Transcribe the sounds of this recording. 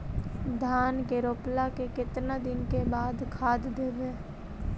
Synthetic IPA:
d̪ʱaːnkeɾoːplakekɪt̪nad̪ɪnkebaːd̪kʰaːd̪d̪eːʋeː

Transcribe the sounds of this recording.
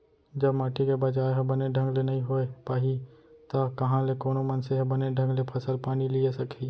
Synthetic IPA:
d͡ʒɐbmaːʈikebɐd͡ʒaːɾɦɐbɐneɖʱɐ̃ŋɡlenɐɦĩɦoepaːɦit̪akɐɦãlekoːnomɐnseɦɐbɐneɖʱə̃ŋɡlepʰɐsəlpaːniliesɐkʰi

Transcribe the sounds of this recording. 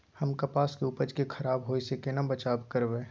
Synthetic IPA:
həmkɐpaːskeupəd͡ʒkekʰɐɾaːbɦoːisekenɐbət͡ʃaːbkəɾbẽː

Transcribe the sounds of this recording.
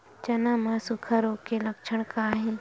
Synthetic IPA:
t͡ʃɐnamãsʊkʰəɾoːkelɐkt͡ʃʰəɽ̃kaːɦĩ

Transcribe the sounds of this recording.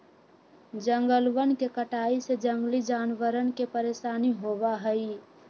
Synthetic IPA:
d͡ʒəŋɡəlwənkekəʈaːised͡ʒə̃ŋɡlid͡ʒaːnʋəɾənkepəɾeːʃaːniɦoʋaɦəi

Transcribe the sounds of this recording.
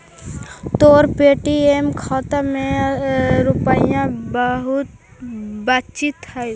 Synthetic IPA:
t̪oːɾpeːʈiemkʰaːt̪amẽ | ɾʊpaːijãbəɦʊt̪̚ | bat̪t͡ʃit̪hɛj

